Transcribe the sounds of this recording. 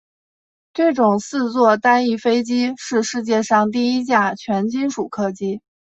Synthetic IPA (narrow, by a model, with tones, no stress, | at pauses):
t̪we˥˩ɪʈ͡ʂʊ˨˩ŋsɹ̩˥˧t͡swɔ˥˩t̪a˥ni˥˩fe˥ɪt͡ɕi˥ʂɻ̩˥˧ʂɻ̩˥˧t͡ɕjɛ˥˧ʂɑ˥˧ŋt̪̬i˥˩i˥t͡ɕja˥˩t͡ɕʰɥɛ˧˥nt͡ɕi˥ŋʂu˨˩kʰɤ˥˧t͡ɕi˥